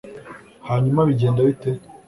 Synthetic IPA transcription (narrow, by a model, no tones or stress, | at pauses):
haːɲumaβiɟeːndaβite